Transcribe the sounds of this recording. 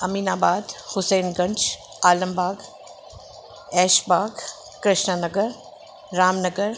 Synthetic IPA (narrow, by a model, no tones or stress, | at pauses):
ɐmiːnaːbaːd̪hʊseːnɡɐ̃ɲt͡ʃ | aːləmbaːɡ | ɛːʃbaːɡ | kɾɪʃnənɐɡəɾː | aːmnəɡəɾ